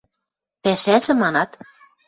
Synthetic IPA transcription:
pæʃæzɘ̆mɑnɑt̪

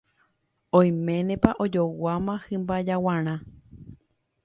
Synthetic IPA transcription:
õj̃mẽ̞nẽpaʔod͡ʒowamãhɨ̃mbad͡ʒawãɾ̃ã

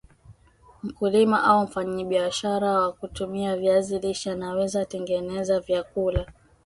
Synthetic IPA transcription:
m̩kulimaʔaum̩faɲiɓiaʃaɾawakutumiavjaziliʃanawɛzatɛŋɡɛnɛzavjakula

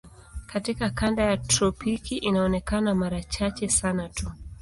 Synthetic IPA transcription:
katikakandajatɾɔpikiʔinaɔnɛkanamaɾat͡ʃat͡ʃɛsanatu

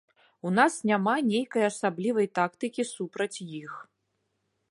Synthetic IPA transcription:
unasnʲamanʲejkɐjɐsablʲivɐjt̪akt̪ɨkʲisupɾɐt͡sʲjix

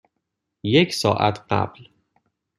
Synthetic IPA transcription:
jecʰsɒːʔæ̰t̪ʰɢæ̰b̥l

